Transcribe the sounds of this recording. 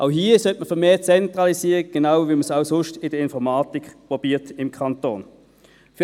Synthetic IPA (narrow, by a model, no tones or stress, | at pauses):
ʔaʊɦiːəsœtməfəmeːt͡sɛntʁɑlisiːʁiɡ̥enaʊviːməsaʊsʊʃtɪdəɪnfɔmɑːtikpʁɔb̥iːtɪmkʰɑnto̰ːn | f